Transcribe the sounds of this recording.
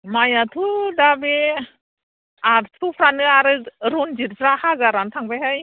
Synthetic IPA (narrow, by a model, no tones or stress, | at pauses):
majatʰudabe | aɾt̪ʰupʰɾanɯaɾɯɾund͡ʒiɾsɾahaɡaɾantʰaŋbajɦaj